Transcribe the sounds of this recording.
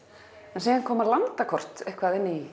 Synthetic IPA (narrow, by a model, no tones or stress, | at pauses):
ɛnsɛːɣankʰɔːmaɾlant̪akʰɔr̥t̪ɛhkvaðɪnːi